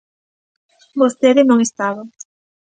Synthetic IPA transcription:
bost̪eðɪnõŋest̪aβa

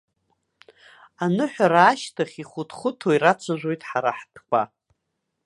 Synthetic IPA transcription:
anɨħʷᶣaɾaːʃtʰaχʲiχʷʊtʰχʷʊtʰoiɾat͡ʃʷʰaʒʷo̞jtʼħaɾaħtʰkʷʰʼa̰

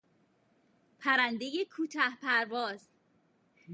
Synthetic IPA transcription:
pʰæɾænd̪ejekʰuːt̪ʰæhpʰæɾvɒːz

